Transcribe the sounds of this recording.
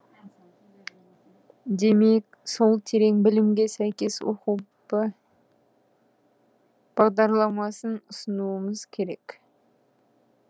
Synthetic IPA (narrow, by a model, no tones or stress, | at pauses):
d̪e̞me̞k | so̞lˠt̪ʰe̞ɾe̞ŋbɪlɪmɡʲe̞sæjkʲe̞swo̰qupə | b̥ɑʁd̪ɑɾlˠɑmɑsənʊsənuəməzkʲʰe̞ɾe̞k